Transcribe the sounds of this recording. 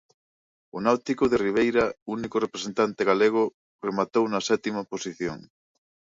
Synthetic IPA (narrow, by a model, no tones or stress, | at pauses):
ʊnawt̪ikʊðeriβ̞ejɾaunikʊrepɾesent̪ant̪eɣaleɣ̞ʊ | remat̪ownasɛt̪imaposiθjo̰ŋ